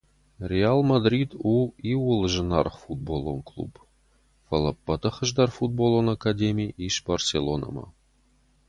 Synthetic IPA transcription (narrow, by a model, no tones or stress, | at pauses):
rʲealˠmad̪rʲid̪uiwulˠʒə̆nɑrχfud̪̚bolˠo̰nklˠṵp | fəlˠəpːət̪ɤ̆χə̆ʒd̪ɑrfud̪̚bolˠonakadʲemʲiʔiʃbarsʲelˠonə̰mɑ̰